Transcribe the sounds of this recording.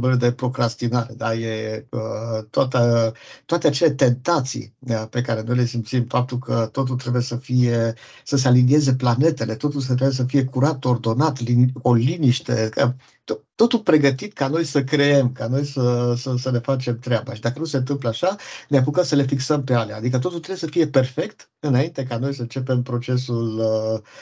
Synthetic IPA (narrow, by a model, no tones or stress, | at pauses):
mbəled̪e̞pɾo̞kɾast̪inaɾed̪aje̞ət̪ʊat̪ət̪ʊat̪e̞at͡ʃe̞le̞t̪e̞nt̪at̪sḭəpe̞kaɾe̞no̞jle̞simt̪simfap̚t̪ulkʰət̪o̞t̪̬ult̪ɾe̞buje̞səfije̞ | səsealinie̞ze̞plane̞t̪e̞le̞t̪o̞t̪ulsət̪ɾebujes̬əfije̞kuɾat̪o̞rd̪o̞nat̪linoliniʃt̪e̞̰kə | t̪ot̪ːo̞t̪ulpɾe̞ɡət̪it̪kano̞jsəkɾe̞e̞mkano̞jsəsəsəne̞fat͡ʃe̞mt̪ɾeabaʃid̪akənuse̞ɨnt̪ɨmp̬ləaʃaneap̬ukəmsəle̞fiksəmpe̞aleaːd̪ikət̪̬o̞t̪ult̪ɾeujesəfije̞pe̞rfe̞kt̪ | ɨnaint̪e̞kano̞jsəɨnt͡ʃe̞pe̞mpɾo̞t͡ʃe̞sul